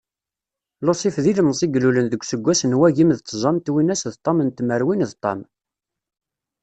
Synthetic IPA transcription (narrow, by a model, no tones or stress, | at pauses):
losˤifðiləmsˤiɡlulənðəɡʷsəɡʷːæsənwæʝimðzˤɑmt̪winæsðt̪ˤːɑmənt̪məɾwinðt̪ˤːɑm